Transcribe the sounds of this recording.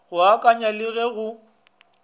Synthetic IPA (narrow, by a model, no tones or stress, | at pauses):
ɣʊakʼaɲalɪɣɛɣʊ